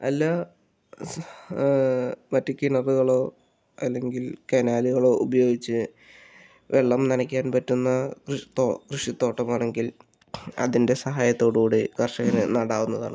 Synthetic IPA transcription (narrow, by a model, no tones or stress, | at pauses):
ɐlːɐ | ʋɐtːikʲːinɐruɣɐɭoː | ɐlːe̞ŋɡilkenaːliɣɐɭo̞ːʔubɐjo̞ːɡit͡ɕːɨ | ʋeɭːɐmnɐnɐkʲːaːnpɐtːunːɐkrɨʂt̪okrɨʂit̪ːo̞ːʈːɐmaːɳe̞ŋɡil | ɐ̰ðinde̞sɐɦaːjɐt̪ːo̞ːɽuuːɽekɐrʂɐɣɐnɨnɐɽaːɣunːɐða̰ːɳɨ